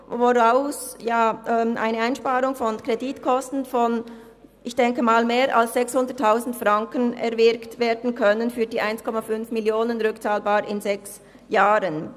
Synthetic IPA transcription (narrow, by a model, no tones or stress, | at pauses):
voʁaʊsjaːʔɛːmʔa̰ɪnəaɪnʃpaːɾʊŋfɔnkʁeditkʰɔstn̩fɔn | ʔɪçd̥ɛŋkəmaːlmeːɾʔa̰lsz̥ɛkshʊndətʰːaʊzn̩tfʁaŋkənɛ̰ɾvɪɾktveːdn̩kʰœnənfyːɐdiːʔaɪnskʰɔmafʏnfmɪljoːnənʁʏkt͡saːlbaːɾɪnzɛks | jaːɾən